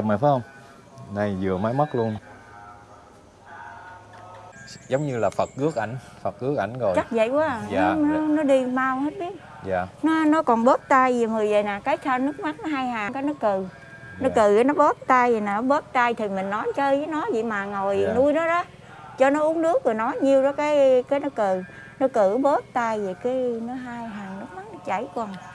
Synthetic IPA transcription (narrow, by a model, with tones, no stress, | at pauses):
ma̰ː˨˩fa˨˦hə˧wŋ͡m | na˧˩jzɨ˨˩əmaː˨˦jmə˦˥t̚lu˧ən | zə˨˦wŋ͡mɲɨ˧laː˨˩fə˨˩t̚kɨ˦˥ək̚ʔa˧˩jŋ̟fə˨˩t̚kɨ˨˦˥ək̚ʔa̰˧˩jŋ̟zo˨˩jt͡ɕa˦˥k̚zə̰˧˨jkwaː˨˦˨a˨nɔ˨˦nɔ˨˦ɗi˧maː˧whe˦˥t̚ɓi˦˥ət̚ | ja̰ː˨n˨˦nɔ˨˦kɔ˨˩nɓo˦˥t̚t̪a˧jə˨˩mɨ˨˩əjzə˨˩jnaː˨˩kaː˨˦jt̪ʰa˧nɨ˦˥ək̚ma˦˥k̚nɔ˨˦ɦaː˧jhaː˨˩kaː˨˦jnɨ˦˥ək̚kɨ˨˩ | nɔ˨˦kɨ˨˩a˨˦nɔ˨˦ɓo˦˥t̚t̪aː˧jə˨˩naː˨˩nɔ˨˦ɓo˦˥t̚t̪a˧jt̪ʰi˨˩mï˨˩ŋ̟nɔ˨˦jt͡ɕəː˧jvəː˨˦jnɔ˨˦və̰˧˨jmaː˨˩ŋo˨˩jnu˧əjnɔ˨˦ɗɔ˨˦ | t͡ɕɔ˧nɔ˨˦ʔu˨˦ənnɨ˦˥ək̚vɨ˨˩nɔ˨˦jɲi˧əwɗɔ˨˦kaː˨˦jkaː˨˦jnɔ˨˦kɨ˨˩ | nɔ˨˦kɨ˧˩ɓo˦˥t̚t̪aː˧jzə˨˩jkaː˨˦nɔ˨˦ɦaː˧jɦaː˨˩ŋnɨ˦˥k̚ma˦˥nɔ˨˦t͡ɕə˧˩jkɔ˧˩n